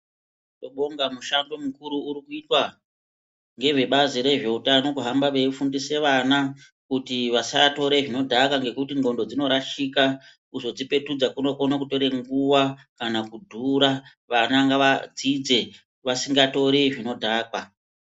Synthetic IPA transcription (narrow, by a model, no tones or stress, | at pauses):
toɓo̞ŋɡamuʃando̞mukuɾuːɾikuitwa | ŋɡe̞ʐe̞ɓaziɾe̞ʐe̞utano̞kuɦambaʋe̞fundise̞ʋana | kutiʋasato̞ɾeʐino̞dʱakaŋɡe̞kutiŋɡo̞ndo̞d͡zino̞ɾaʃika | kuzo̞d͡zipe̞tud͡zakuno̞konakuto̞ɾe̞ŋɡuwakanakudʱuɾa | ʋanaŋɡaʋad͡zid͡ze̞ | ʋasiŋɡato̞ɾeʐino̞dʱaːkwa